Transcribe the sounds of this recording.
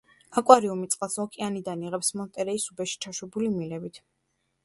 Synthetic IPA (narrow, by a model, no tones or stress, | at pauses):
akʼwaɾiumit̪sʼqʼalˠsɔkʰʼianid̪aniʁɛpsmɔnt̪ʼɛɾɛisubɛʃi̥t͡ʃʰaʃwɛbulimilɛbit̪ʰ